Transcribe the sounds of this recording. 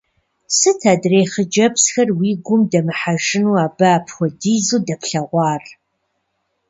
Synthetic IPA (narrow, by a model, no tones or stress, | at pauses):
sɨtʰaːdreːχəd͡ʒɐpsxɐrwiːɡʷʊmdɐmɨħaʒɪnuːaːbaːpʰxʷɔdijzuːdɐpʰɬɐʁʷɑːr